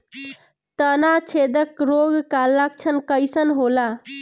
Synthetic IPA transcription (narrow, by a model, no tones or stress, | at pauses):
t̪ənat͡ʃʰed̪əkɾoɡkːalːəkt͡ʃʰənkəɪsənɦola